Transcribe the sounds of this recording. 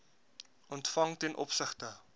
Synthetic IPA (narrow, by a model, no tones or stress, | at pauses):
ʔɔntfɐŋtɛnʔɔpsəχtə